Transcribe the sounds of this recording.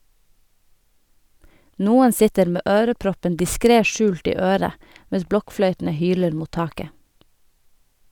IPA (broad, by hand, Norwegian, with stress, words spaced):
ˈnuːən ˈsɪtəɾ ˈmeː ˈøːɾəˌpɾɔpən dɪˈskɾeː ˈʃʉːlt ˈiː ˈøːɾə ˈmɛs ˈblɔkˌflœʏtn̩ə ˈhyːləɾ ˈmuːt ˈtɑːkə